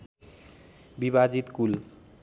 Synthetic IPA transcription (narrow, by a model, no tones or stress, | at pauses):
bibad͡ʑit̪kul